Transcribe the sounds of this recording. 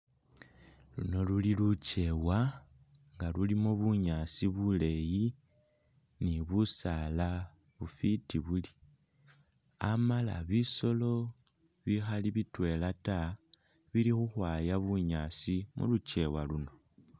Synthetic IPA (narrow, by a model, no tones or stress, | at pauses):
luno̞lulilut͡ʃe̞wa | ŋɡalulimoβuɲasiβule̞ji | niβusala | βufitiβuli | amala̰βiso̞lo̞ | βixaliβitwe̞lata | βilixuxwaːjaβuɲaːsimṵlut͡ʃe̞waluno̞